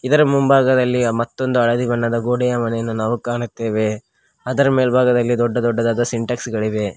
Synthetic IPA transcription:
id̪ɐɾɐmumbaːɡɐd̪ɐlːimɐt̪ːo̞nd̪uɐɭɐd̪ibɐnːɐd̪ɐɡoːɽɛjɐmɐnɛjɐnːunaːʋukaːɳut̪ːe̞ːʋe̞ | ɐd̪ɐɾɐmeːlbʱaːɡɐd̪ɐlːid̪ɔɖːɐd̪ɔɖːɐd̪aːd̪ɐsiɳʈɐksɡɐɭiʋe̞

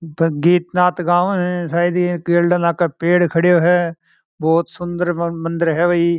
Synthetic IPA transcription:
ɡiːt̪naːt̪ɡaːʋɦɛ̃ːsaːid̪ikiːlɖənaːkəpeːɽkʰəɽjoːɦɛː | bɔːt̪sʊnd̪əɾmə̃nd̪əɾɦɛːʋəiː

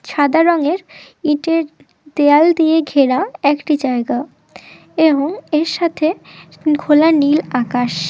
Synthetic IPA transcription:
ʃad̪aɾɔŋeɾ | iʈeɾ | d̪eald̪ieɡʱeɾaɛkʈid͡ʑaeɡa | eboŋeɾʃat̪ʰe | ɡʰʱolanilakaʃ

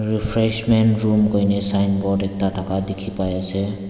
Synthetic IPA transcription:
ɹipʰɹɛsmɛntɹumkojnɛsajnbɔdɛk̚tatʰakadekʰipajasɛ

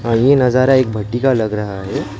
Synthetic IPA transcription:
ɦãjenəd͡zaɾaek̚bʱəʈːikaləɡɾaɦaɦe

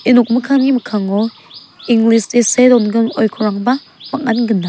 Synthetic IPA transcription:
inuk̚mɯkʰaŋimɯkʰaŋɔ | iŋɡlisesedɔnɡɯnɔjkʰɔɾaŋba | mak̚ːanɡɯnːa

